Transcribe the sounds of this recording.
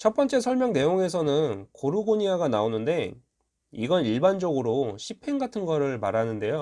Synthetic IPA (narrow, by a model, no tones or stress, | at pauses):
t͡ɕʰʌp͈ʌnt͡ɕ͈e̞sʰʌɭmjʌŋne̞joŋe̞s̬ʰʌnɯnkoɾuɡoɲiaɡanaonɯnde̞ | iɡʌniɭband͡ʑʌɡɯɾoɕʰipʰe̞ŋɡatʰɯnɡʌɾɯɭmaɾanɯnde̞jo